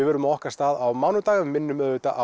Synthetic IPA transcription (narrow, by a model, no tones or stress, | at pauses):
ɪvɛɾʏmaɔhkḁst̪aːðawmawnʏt̪aːɣʏmːɪnːʏmœðʏːt̪aʔa